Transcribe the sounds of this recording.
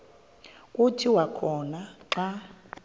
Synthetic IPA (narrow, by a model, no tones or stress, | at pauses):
kʼutʰiwakʰɔnaǁa